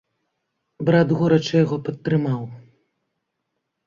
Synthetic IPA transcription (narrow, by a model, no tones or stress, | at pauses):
bɾad̪ɣɔɾɐt͡ʂɨjaɣɔpɐt̪ːɾɨmaw